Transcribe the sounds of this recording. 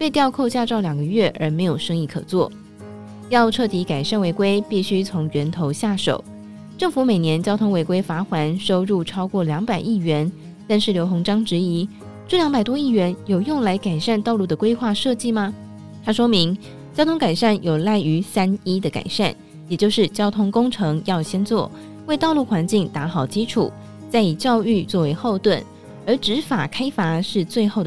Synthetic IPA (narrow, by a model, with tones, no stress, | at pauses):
pe˥˧ɪt̪jɑ˥˧ʊkʰo˥˧ʊɕja˥˧ʈ͡ʂɑ˥˩ʊljɑ˨˩ŋɡə˦ɥɛ˥˩ʔə̰˞˧˥me˧˥ɪjo˨˩ʊʂɤ˥ŋi˥˩kʰɤ̰˨˩t͡swɔ˥˩ | jɑ˥˧ʊʈ͡ʂʰɤ˥˩t̪ʰi˧˥ka˨˩ɪʂa˥˩nwe˧˥ɪkwe˥ɪpi˥˩ɕy˥t͡sʰʊ˧˥ŋɥɛ˧˥nt̪ʰo˧˥ʊɕja˥˩ʂo̰˨˩˦ʊ | ʈ͡ʂɤ˥˩ŋfu˧˥me˨˩njɛ˧˥nt͡ɕjɑ˥ʊt̪ʰʊ˥ŋwe˧˥ɪkwe˥ɪfa˧˥xwa˧˥nʂo˥ʊɻu˥˩ʈ͡ʂʰɑ˥ʊkwɔ˥˩ljɑ˧˥ŋpa˨˩ɪi˥˩ɥɛ˧˥n | t̪a˥˧nʂɻ̩˥˩ljo˧˥ʊxʊ˧˥ŋʈ͡ʂɑ˥ŋʈ͡ʂɻ̩˧˥i˧˥ | ʈ͡ʂɤ˥˩ljɑ˧˥ŋpa˨˩ɪt̪wɔ˥i˥˩ɥɛ˧˥njo˨˩ʊjʊ˥˩ŋla˧˥ɪka˨˩ɪʂa˥˧nt̪ɑ˥˧ʊlu˥˩d̪ə˩kwe˥ɪxwa˥˧ʂɤ˥˧t͡ɕi˥˩mɐ˩ | t̪ʰa˥ʂwɔ˥mi˧˥ŋ | t͡ɕjɑ˥t̪ʰʊ˥ŋka˨˩ɪʂa˥˩njo˨˩ʊla˥˩ɪy˧˥sa˥ni˥d̪ə˨ka̰˨˩ɪʂa̰˥˩n | jɛ˨˩t͡ɕjo˥˧ʊʂɻ̩˥˩t͡ɕjɑ˥ʊt̪ʰʊ˥ŋkʊ˥ŋʈ͡ʂʰɤ˧˥ŋjɑ˥˩ʊɕjɛ˥nt͡swɔ˥˩ | we˥˧t̪ɑ˥˧lu˥˩xwa˧˥nt͡ɕi˥˩ŋt̪a˧˥xɑ˨˩ʊt͡ɕi˥ʈ͡ʂʰṵ˨˩˦ | t͡sa˥˩ɪi˨˩t͡ɕjɑ˥˧ʊy˥˧t͡swɔ˥˩we˧˥ɪxo˥˧ʊt̪wə˥˩n | ə˞˧˥ʈ͡ʂɻ̩˧˥fa˨˩kʰa˥ɪfa˧˥ʂɻ̩˥˧t͡swe˥˧ɪxo˥˩ʊd̪